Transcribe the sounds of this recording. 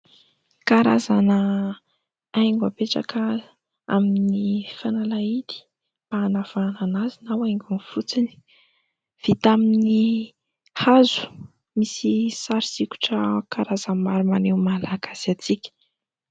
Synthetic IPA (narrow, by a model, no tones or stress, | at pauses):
kaɾazanə | ajŋɡapeʈ͡ʂa̰kə | a̰minifanalait̪i̥ | b̥aːnav̥ananazinawajŋɡunfut͡sini̥ | v̥it̪amini | hazu̥ | misisaɾisiku̥ʈ͡ʂəkaɾazamaɾumanewmalaɡaz̥iat͡sikʲə̥